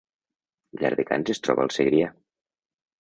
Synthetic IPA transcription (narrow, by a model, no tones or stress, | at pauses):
ʎa̰ɾðeka̰nzest̪ɾɔβa̰lˠseɣɾia